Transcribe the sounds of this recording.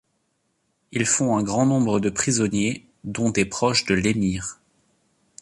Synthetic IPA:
ilfɔ̃ɛ̃ɡʁɑ̃nɔ̃bʁəd̪əpχizɔnje | d̪ɔ̃d̪ɛpχɔʃd̪əlemiːʁ

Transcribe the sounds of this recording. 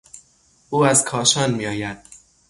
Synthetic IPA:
ʔuːæzkʰɒːʃɒːnmiːɒːjæd̪̥

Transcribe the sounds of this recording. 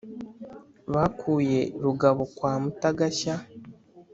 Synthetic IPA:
βakʰuːje̞ɾuɡaβo̞kwaːmutaɡaça

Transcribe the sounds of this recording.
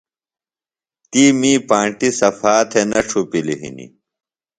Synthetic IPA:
t̪iːmiːpãːɳʈisɐfaːt̪ʰenɐʈ͡ʂʰupiliɦḭnḭ

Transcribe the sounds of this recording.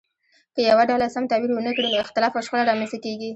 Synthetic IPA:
kəjawaɖawlasamt̪awiɾwənəkɽinoɪxt̪ɪlɑfaʃxəlaɾɑmenst̪akeɡi

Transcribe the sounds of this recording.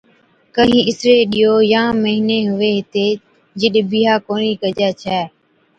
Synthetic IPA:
kəɦĩːɪsɾeːɗijoːjãːməɦɪneːɦʊʋeːɦɪt̪eː | d͡ʒɪɗbiːɦaːkoːniːkəd͡ʒɛːt͡ʃʰɛː

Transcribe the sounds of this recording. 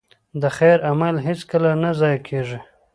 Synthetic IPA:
d̪əxejɾamalɦɪskəlanazɑjakʰeʐi

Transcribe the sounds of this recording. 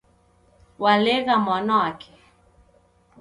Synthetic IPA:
walɛɣamwanɔwakʰɛ̥

